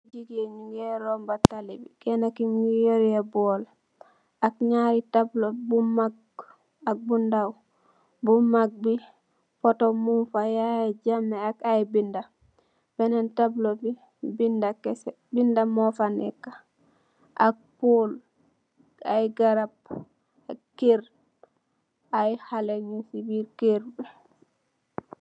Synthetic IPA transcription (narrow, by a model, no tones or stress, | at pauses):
d͡ʒiɡeɲuŋɡeɾombatalibikɛnakimijoɾebol | akɲaɾitablobumaɡ̚ | ak̚bundaw | bumaɡ̚bi | fotomunfajaeɟamːeakajbinda | b̥ɛnantablobi | bindakɛsɛ | bindamɔfanɛ̰kːḁ | ʔak̚pol | ajɡaɾab | akeɾ | ʔajhaleɲusibiɾkeɾbi